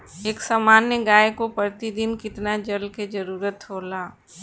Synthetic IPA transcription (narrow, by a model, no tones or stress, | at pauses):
eːksamaːnːeɡaːekopəɾt̪id̪ɪnkɪt̪nad͡ʒəlked͡ʒəɾuːɾət̪ɦoːlaː